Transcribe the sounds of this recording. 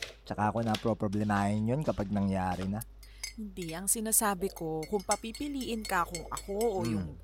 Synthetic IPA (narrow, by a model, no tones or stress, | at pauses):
t͡ʃɐkaʔɐko̞nɐpɾopɾoblɛmaːhɪnjonkɐpaɡ̚nɐŋjaːɾɪnɐ | hɪnd̪iʔɐŋsɪnaːsaːbɪko̞kʊŋpɐpipɪliːʔɪnkɐkʊŋʔɐ̰ko̞ʔojʊŋ